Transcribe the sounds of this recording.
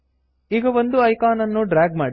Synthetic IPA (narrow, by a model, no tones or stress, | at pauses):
iɡɐʋond̪uɐjkaːnɐnːuɖɾaːɡmaːɽi